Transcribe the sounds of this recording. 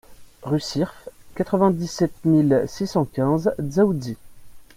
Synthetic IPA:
ʁysiʁfkat̪χəvɛ̃d̪isɛt̪milsisɑ̃kʲɛ̃zzaud̪i

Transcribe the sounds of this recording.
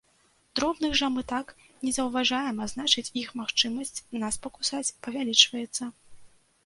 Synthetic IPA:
d̪̥ɾɔbnɨɣʐɐmɨt̪ak | nʲɛzɐwvaʐajɛmaznat͡ʂɨt͡sʲixmaxt͡ʂɨmɐsʲt͡sʲnaspɐkusat͡sʲpɐvʲalʲit͡ʂvɐjɛt̪sːɐ

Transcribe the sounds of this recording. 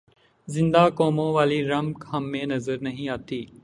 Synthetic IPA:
zɪ̃nd̪aːkɔːmõːʋaːliɾɐmkɦɐmːẽːnɐzəɾnɐɦĩːaːt̪iː

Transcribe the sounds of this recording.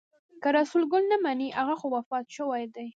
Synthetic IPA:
kaɾasulɡʊlnamaniʔaɣaxowafɑt̪ʃəwajd̪aj

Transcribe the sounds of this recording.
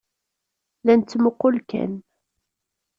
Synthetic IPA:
læntt͡s̪ːmoqːʊlkæ̰n

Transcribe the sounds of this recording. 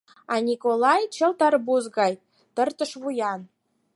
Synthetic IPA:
ɑnʲikolɑjt͡ɕəlˠt̪ɑrbuzɣɑj | t̪ərt̪ə̆ʃβujɑn

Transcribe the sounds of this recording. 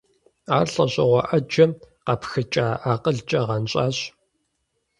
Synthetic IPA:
aːrɬʼɐɕʼɐ̰ʁʷɐʔɐd͡ʒɐmqɐpxɨt͡ʃʼaːʔaːqʼəɮt͡ʃʼɐʁɐnɕʼaːɕ

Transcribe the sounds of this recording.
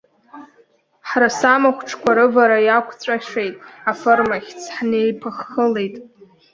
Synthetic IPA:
ħrasamaχʷʈ͡ʂʰkʷʰaɾɨvaɾajakʷʰt͡sʷʼaʂe̞jtʼafɨrmaχʲt͡sʰħnejpʰɨχːəlejtʼ

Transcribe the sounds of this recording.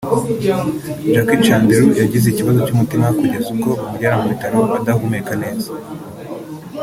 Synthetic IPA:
d͡ʒakit͡ʃaːndeɾujaɟizeiciβazo̞cumutimakuɟezuko̞βumuɟaːɾamuβitaɾoβadahumekane̞ːzḁ

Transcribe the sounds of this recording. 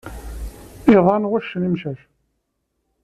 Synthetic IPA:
iðˤɑnwæʃːənimʃæʃ

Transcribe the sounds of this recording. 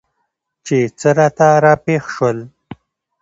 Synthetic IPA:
t͡ʃet͡səɾɑt̪aɾɑpexʃwəl

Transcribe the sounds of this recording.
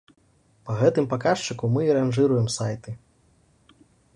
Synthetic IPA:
pɐɣɛt̪ɨmpakaʂt͡ʂɨkumɨiɾanʐɨɾujɛmsajt̪ɨ

